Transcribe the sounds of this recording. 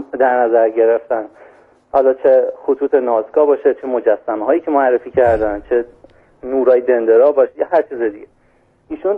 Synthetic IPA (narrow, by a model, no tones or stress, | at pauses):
d̪æɾnæzæɾɟe̞ɾe̞ft̪æn | hɒːlɒːt͡ʃʰexot̪ʰuːt̪ʰenɒːzɡɒːbɒːʃet͡ʃʰe̞mo̞d͡ʒæsːæmeɦɒːjiːcʰe̞moæɾːe̞fiːcʰæɾd̪ænd̪t͡ʃʰe̞ | nuːɾɒːjed̪e̞nd̪eɾɒːbɒʃjɒhæɾt͡ʃʰiːzed̪iɡe | iːʃun